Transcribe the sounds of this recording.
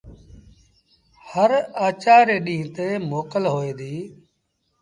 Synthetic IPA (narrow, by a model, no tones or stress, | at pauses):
həɾaːt͡ʃaːɾeːɗĩːt̪eːmoːkəlɦoːeːd̪iː